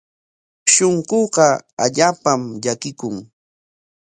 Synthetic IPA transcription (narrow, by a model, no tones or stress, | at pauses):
ʃoɴɢoɢɑa̰ʎaːpamʎakɪkʊŋ